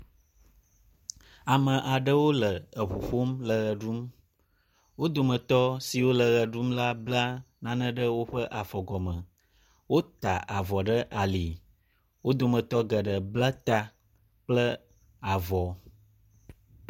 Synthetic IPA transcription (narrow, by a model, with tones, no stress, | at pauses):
a˨mə̃˨ʔa˨ɖə˦wo˦lə˨ə˨ɸo˨ɸo˦mlə˨ɣə˨ɖu˦m | wo˦d̪o˨mə̃˨t̪ɔ˦si˨wo˦lə˨ɣə˨ɖu˦mla˦bla˦ | nã˨nə̃˦ɖə˦wo˦ɸə˦ʔa˨fɔ˨ɡɔ˨mə̃˨ | wo˦t̪a˨ʔa˨vɔ˨ɖə˦ʔa˨li˨ | wo˦d̪o˨mə̃˨t̪ɔ˦ɡə˨ɖə˨bla˦t̪a˦ | k͡plə˦ | a˨vɔ˨